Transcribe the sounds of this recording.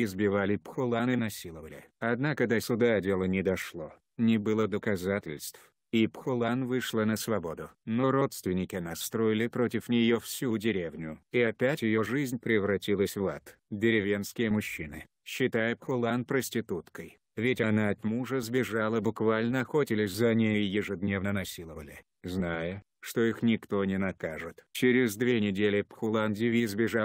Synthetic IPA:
ɪzbʲɪvalʲɪpxʊlˠanɨnɐsʲilˠəvəlʲɪ̰ɐd̪nakəd̪ɐsʲʊd̪adʲe̞lˠənʲɪd̪ɐʂlˠo | nʲɪbɨlˠəd̪əkɐzatʲɪlʲst̪f | ipxʊlˠanvɨʂlˠənəsvɐbo̞d̪ʊnoɾo̞t̪st̪vʲɪnʲɪkʲɪɐnast̪ɾo̞jɪlʲɪpɾotʲɪfnʲɪjofsʲudʲɪɾʲevnʲʊiɐpʲætʲjɪjo̞ʐɨzʲnʲpɾʲɪvɾɐtʲilˠəsʲvat̪ | dʲɪɾʲɪvʲe̞nskʲɪjəmʊɕːinɨ | ɕːɪt̪ajɪpxʊlˠanpɾəsʲtʲɪt̪ut̪kəj | vʲɪtʲɐnaɐt̪muʐəzbʲɪʐalˠəbʊkvalʲnəɐxo̞tʲɪlʲɪsʲzɐnʲejʊjɪʐɨd̪nʲe̞vnənɐsʲilˠəvəlʲɪ | znajə | ʂt̪o̞ixnʲɪkt̪o̞nʲɪnɐkaʐɨt̪t͡ɕɪɾʲɪzd̪vʲenʲɪdʲelʲɪpxʊlˠandʲɪvʲizbʲɪʐa

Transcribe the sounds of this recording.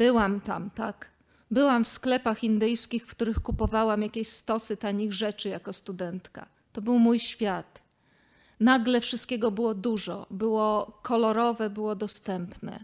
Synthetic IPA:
b̥ɘwamt̪a̰mt̪ak | bɘwamfsklɛpaxind̪ɘjskʲixfkt̪uɾɘxkupɔvawamjakʲeɕst̪ɔsɘt̪aɲiɣʐɛt͡ʂɘjakɔst̪ud̪ɛnt̪ka̰ | t̪ɔbɘwmujɕfʲjat̪ | naɡlɛfʂɨst̪̚kʲɛɡɔbɘwɔd̪uʐɔbɘwɔkʰɔlɔɾɔvɛbɘwɔd̪ɔst̪ɛmpnɛ̰

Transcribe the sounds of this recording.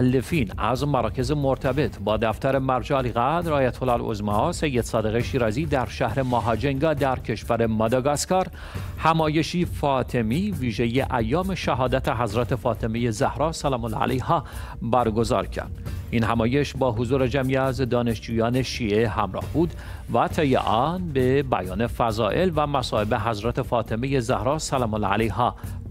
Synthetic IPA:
ælːefiːnæ̰zmæɾɒːcʰe̞ze̞moɾt̪ʰæbe̞t̪ʰbɒːd̪æft̪æɾe̞mæɾd͡ʒæːliɣæd̪ɾɒːjæt̪ʰolælo̰zmɑse̞jːed̪sɒːd̪e̞ɣeʃiːɾɒːziːd̪æɾʃæhɾe̞mɑɦɒːd͡ʒeŋɡɒːd̪æɾcʰe̞ʃvæɾe̞mɒd̪ɒɡɑskɒːɾ | hæmɒːje̞ʃiːfɒːt̪ʰe̞miːviːʒe̞jeʔæjːɒːme̞ʃæɦɒːd̪æt̪ʰeɦæzɾæt̪ʰefɒːt̪ʰe̞meje̞zæhɾɒːsælɒːmolɑ̰æ̰lejhɒː | bæɾɡo̞zɒ̰ːɾcʰæ̰ɾd̪̥inhæmɒːje̞ʃbɒːɦozuːɾe̞d͡ʒæmʔiæzd̪ɒːne̞ʃd͡ʒuːjɒːne̞ʃiːʔehæmɾɒ̰ːhbuːd̪ | væt̪ʰejḛʔɒːnbebæjɒːne̞fæzɒːʔe̞lvæmæsɒːe̞be̞ɦæzɾæt̪ʰe̞fɒːt̪ʰe̞meje̞zæhɾɒːsælɒːmol̰ːæ̰lejhɒ

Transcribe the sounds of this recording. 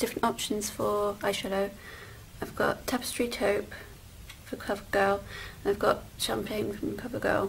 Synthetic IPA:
d̥ɪfɹə̃ntɒpʃə̃nz̥fəaɪʃɛləʊ | aɪvɡɒ̰ʔʰapɪ̥stɹ̥itʰəʊp | fəkʰl̥ʌvəɡ̥ɜːlˠə̃naɪvɡɒʔʃãmpʰẽɪ̃nfɹə̃mkʰʌvəɡɜ̰ːlˠ

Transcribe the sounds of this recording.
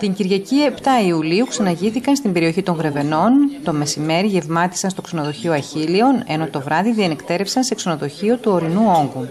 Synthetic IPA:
t̪iɲɟiɾʝɐcie̞pt̪ɐiuliuksɐnɐʝiθikɐnst̪imbe̞ɾio̞çit̪o̞ŋɣɾe̞ve̞no̞nt̪o̞me̞sime̞ɾiʝe̞vmɐt̪i̥sɐnst̪o̞kse̞no̞ðo̞çio̞ɐçilio̞ne̞no̞t̪o̞vɾɐðiðienekt̪e̞ɾe̞fsɐnse̞kso̞noðo̞çio̞t̪uo̞ɾinuo̞ŋɡu

